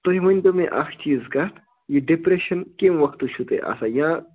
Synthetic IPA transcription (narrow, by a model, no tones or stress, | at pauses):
t̪oɦimɐnʲt̪ɐmẽʔakʰt͡ʃiːzkɐt̪ | jiɖipɾeʃɐnkemʋɐkʰt̪uʃʰut̪ḛʔa̰sajã